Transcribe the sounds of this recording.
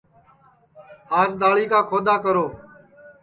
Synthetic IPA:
aːzd̪aːɭiːkaːkʰoːd̪aːkəɾoː

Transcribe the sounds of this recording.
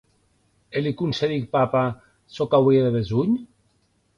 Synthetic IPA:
elikunseðik̚papa | sokawieðeβezuɲ

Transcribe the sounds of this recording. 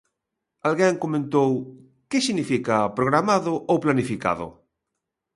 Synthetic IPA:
alɣɛŋkomẽnt̪ow | kesinifikapɾoɣ̞ɾamaðʊʔowplanifika̰ð̞ʊ̰

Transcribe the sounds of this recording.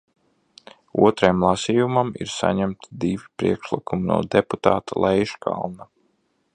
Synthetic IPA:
ṵɔt̪ɾajmlˠasiːjumamḭɾsa̰ɲæmt̪id̪ivipɾiɛkʃlˠikuminṵɔd̪eput̪ɑːt̪alˠʔɛjʃkʰa̰lˠna

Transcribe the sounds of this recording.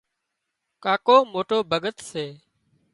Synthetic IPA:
kaːkoːmoːʈoːbʱəɡət̪seː

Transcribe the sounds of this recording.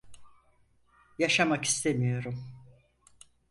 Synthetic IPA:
jaʃamaki̥st̪ʰemijo̞ɾum

